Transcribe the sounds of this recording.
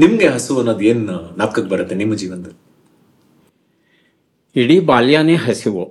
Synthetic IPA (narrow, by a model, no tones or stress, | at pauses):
nimɐɡeɦɐsuɐnːoːd̪ueːnnaːt̪̚kɐkːebɐɾɐt̪ːenimːɐd͡ʒiːʋɐnt̪ɐ | iɽibaːljaːneɦɐsiʋo